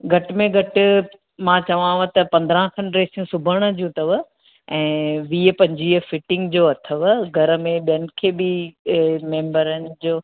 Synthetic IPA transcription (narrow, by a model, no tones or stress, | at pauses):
ɡʱɐʈɪmẽɡʱɐʈɪ̆ | mãːt͡ɕɐʋãʋət̪ɐpɐ̃nd̪ɾə̃ɦkʰɐnɾeːsijũsʊbʱəɽ̃ə̆d͡ʑũːt̪ɐʋ | ɛ̃ːʋiːəpɐ̃ɲd͡ʑiːfɪʈɪ̃ŋɡd͡ʑoːɐt̪ʰəʋəɡʱɐɾmẽɓijənɪ̆kʰeːbɪ | mẽːmbəɾənɪ̆d͡ʑoː